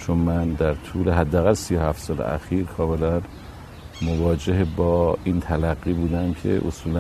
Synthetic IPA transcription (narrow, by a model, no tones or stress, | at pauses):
t͡ʃʰonmænd̪æɾt̪ʰuːleɦæd̪ːææɣælsijohæft̪sɒːlḛʔæ̰xiːɾkʰɒːme̞læn | movɒːd͡ʒeɦebɒːiːnt̪ʰælæɣːiːbuːd̪æmcʰe̞̰ʔo̰suːlæ